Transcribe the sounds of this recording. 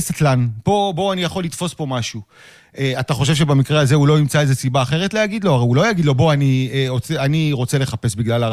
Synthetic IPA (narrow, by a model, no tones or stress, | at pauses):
set̪lanpo̞bo̞anijaχo̞lːit̪fo̞spo̞maʃu | eat̪aχo̞ʃ̬evʃebamikʁeaze̞ulo̞imt͡saezesibaːχe̞ʁet̪lejaɡid̪lo̞aʁejulo̞jaɡid̪lo̞bo̞anieot͡seaniʁo̞t͡se̞le̞χape̞sbiɡlala